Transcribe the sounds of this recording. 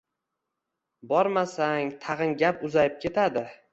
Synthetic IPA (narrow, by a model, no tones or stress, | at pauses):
bɒɾmasaŋt̪ʰɑʁɨŋɡʲapʊzajɪp̚kʲʰe̞t̪ʰad̪ɪ